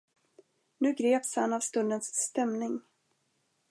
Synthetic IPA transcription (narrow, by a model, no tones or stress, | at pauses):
nʉ̟ːɡɾeːpshanavst̪ɵnd̪ənsːt̪ɛmnɪŋ